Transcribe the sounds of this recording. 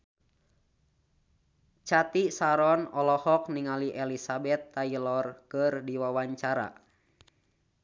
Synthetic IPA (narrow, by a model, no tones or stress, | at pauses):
t͡ʃat̪isaɾɔnɔlɔhɔk̚niŋaliʔɛlisabɛt̪ːailɔrkɨrdiwawaɲt͡ʃaɾa̰